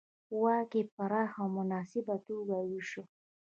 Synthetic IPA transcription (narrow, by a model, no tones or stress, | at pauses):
wɑkepaɾɑːxawmʊnɑːsɪbat̪oɡawiʃo